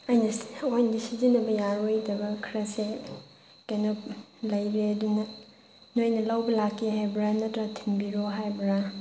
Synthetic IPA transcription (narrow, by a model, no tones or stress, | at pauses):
ɐjnɐsojndisizinɐbɐjaɾwojdɐbɐkʰɾɐse | kajnɔp̚ | lɐjɾeɐdunɐ | nojnɐlawbɐlakːiɦajbɾanɐtɾatʰimbiɾoɦajbɾa